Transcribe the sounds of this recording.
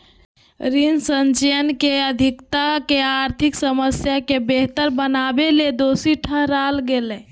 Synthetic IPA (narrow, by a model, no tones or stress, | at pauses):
ɾinsənt͡ʃeənkeəd̪ʱɪkt̪akeaɾt̪ʰiksəməsjakebeɦt̪əɾbənabeled̪oːsiʈʰəɦɾalɡele